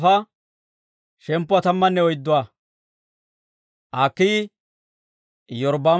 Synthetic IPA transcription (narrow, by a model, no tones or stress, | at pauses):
fɐ | ʃɛmpːʊat̪ɐmːɐnːɛɔjd̪ːʊwaː | ʔaːkːi | jɔɾbaː